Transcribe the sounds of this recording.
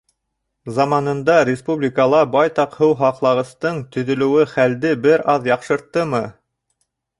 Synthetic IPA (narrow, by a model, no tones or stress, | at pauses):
zɑmɑnɤ̆nd̪ɑɾʲɪspublʲikəlˠɑbɑjt̪ɑqhɘwɦɑqlˠɑʁɤ̆st̪ɤɴt̪ɵ̆ðɵ̆lɘ̆wɘχæld̪ɘbɘɾʔɑðjɑqʃɤ̆ɾt̪ːɤmɤ